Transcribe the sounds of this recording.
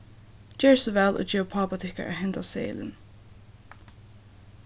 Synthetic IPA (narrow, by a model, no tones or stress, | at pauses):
d͡ʒɛːɹsɔvɛlʔɔ̰ːd͡ʒɛːɹpʰɑːpat̪ʰɪhka̰ɹʔa̰ɦɛnt̪asḛːlɪ̰n